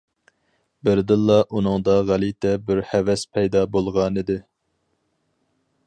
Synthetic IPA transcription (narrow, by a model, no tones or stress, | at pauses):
bɪɾd̪ɨlˠːɑʔunɨŋd̪ɑʁælit̪ʰɛbɪɾhɛvɛspʰɛjd̪ɑbolˠʁɑnɨd̪ɨ